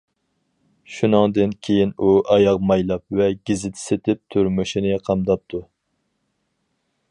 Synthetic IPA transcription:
ʃunɨŋd̪ɨnkʲʰejinuʔɑjɑqmɑjlˠɑp̚vɛɡʲizɪt̪ʰɪ̥set̪ʰɪp̚t̪ʰuɾmuʃinɨqʰɑmd̪ɑp̚t̪ʰu

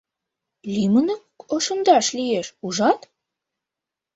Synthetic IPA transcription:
lʲimənəkoʃə̆nd̪ɑʃlijeʃuʒɑt̪

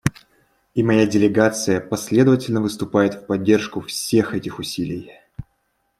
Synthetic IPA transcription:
imɐjadʲɪlʲɪɡat̪sɨjəpɐsʲlʲe̞d̪əvətʲɪlʲnəvɨst̪ʊpajɪt̪fpɐdʲːerʂkʊfsʲe̞xɛtʲɪxʊsʲilʲɪj

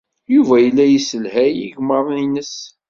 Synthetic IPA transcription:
juvæjəlːæjisəlhæjḭʝməɾˤninəs

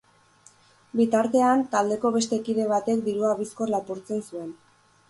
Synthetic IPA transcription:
bit̪aɾt̪e̞ant̪ald̪e̞ko̞βe̞st̪e̞kiðe̞β̞at̪e̞k̚d̪iɾuaβiskorlapuɾt͡se̞nsue̞n

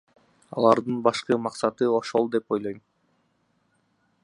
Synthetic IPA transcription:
ɑ̰lˠɑɾd̪ɯnbɑʃqɯmɑqsɑt̪ɯo̞ʃo̞lˠd̪e̞po̞jlˠo̞jm

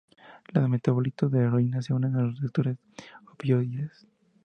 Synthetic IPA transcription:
laðemet̪aβolit̪oðeːɾoinas̬eunaðeaɾet̪ek̚t̪uɾes | opjoðies

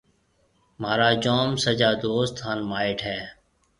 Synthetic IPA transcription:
maːɾaːd͡ʒoːmsəd͡ʒaːd̪oːst̪ʰaːnmaːɪʈɦɛː

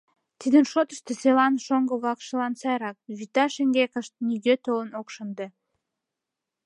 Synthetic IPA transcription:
t̪id̪ənʃot̪ə̥ʃt̪eselɑnʃoŋɡəβlɑkʃəlɑnsɑjɾɑk̚βit̪ɑʃeŋɡekəʃt̪̚niɡøt̪olənokʃənd̪e

